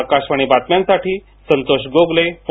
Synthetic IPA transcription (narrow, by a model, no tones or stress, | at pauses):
kaɕʋaɽ̃ibat̪mjansaʈiː | sənt̪oɕɡoɡlep